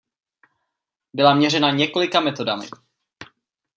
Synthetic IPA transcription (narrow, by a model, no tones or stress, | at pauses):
bɪlamɲɛrɛnaɲɛko̞lɪkamɛt̪o̞damɪ̰